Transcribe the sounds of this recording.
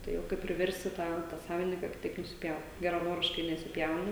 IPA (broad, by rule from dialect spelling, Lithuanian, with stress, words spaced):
ˈtɐɪ oː ˈkɐɪp pʲrʲɪˈʋʲɛrʲsʲtʲɪ ˈtɑː tɑː ˈsɑːʋʲɪnʲɪŋkɐ kɐ ˈtɐɪp nʊsʲɪˈpʲjɛʊt ɡʲɛrɐˈnoːrʲɪʃkɐɪ nʲɛsʲɪˈpʲjɛʊnɐ